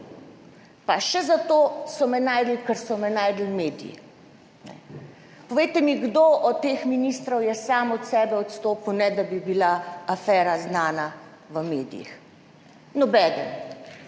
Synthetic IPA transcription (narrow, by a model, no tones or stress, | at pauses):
paʃɛzat̪oːsɔmɛnaːjd̪likəɾsɔmɛnaːjd̪lmeːd̪ijḭ | nɛ̰ | pɔʋejt̪ɛmiɡd̪oʔɔt̪ːeːxminist̪ɾɔwjɛsaːmɔt̪sɛːbɛɔt̪st̪oːpəwnɛd̪abibilaafɛːɾaznaːna | ʋəmeːd̪ḭjḭx | nɔbɛːd̪ən